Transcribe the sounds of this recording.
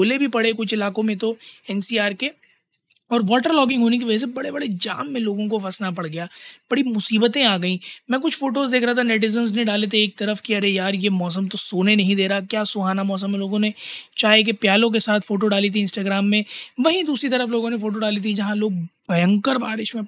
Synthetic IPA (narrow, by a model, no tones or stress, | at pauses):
bʱoːlebʱipɐɽekʊt͡ʃʰɪlaːkõmẽt̪oɛːnsiːaːɾke | ɔːɾʋɔːʈəɾlɔːk̬ɪ̃ŋɡɦoːnek̬iʋɐd͡ʒɛs̬ebɐɽebɐɽed͡ʒa̰ːmːẽloːɡõk̬ofɐsnapɐɽɡɐjaːb̥ɐɽimʊsiːbət̪ẽaːɡɐĩːmɛ̃ːk̬ʊt͡ʃʰfoːʈoːzd̪eːkʰɾaɦat̪ʰanɛːʈ̬ɪzənznẽɖaːlet̪̬eeːk̚t̪ɐɾəfkiɐɾejaːɾjemɔːs̬əmt̪osoːnenɐɦĩd̪eːɾakjaːsʊɦaːnamɔːs̬əmːẽloːɡõnet͡ʃaːɦek̬epjaːlõk̬esaːt̪ʰfoːʈoɖaːlit̪̬ʰiɪ̃nsʈaːɡɾaːmːẽʋɐɦĩd̪uːsɾit̪̬ɐɾəfloːɡõnefoːʈ̬oɖaːlit̪ʰid͡ʒɐɦãloːɡ̚bɐjə̃ŋkəɾba̰ːɾɪʃmẽ